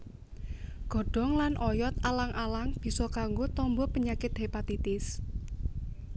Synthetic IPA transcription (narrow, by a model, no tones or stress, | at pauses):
ɡ̥ɔ̤ɖ̥ɔ̤ŋlanʔɔjɔt̪alaŋʔalaŋb̥i̤sɔkaŋɡot̪ɔmbɔpəɲakɪt̪̚ɦepat̪it̪ɪs